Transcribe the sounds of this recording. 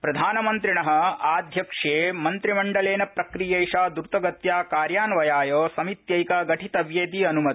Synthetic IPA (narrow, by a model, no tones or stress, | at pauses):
pɾɐd̪ʱaːnɐmɐnt̪ɾiɳɐɦɐ̆aːd̪ʱjɐkʂeːmɐnt̪ɾimɐɳɖɐleːnɐpɾɐkɾijeːʃaːd̪uɾt̪ɐɡɐt̪jaːkaːɾjaːnʋɐjaːjoːsɐmit̪jɐjkɐɡɐʈʰit̪ɐʋjeːt̪iɐnumɐt̪i̥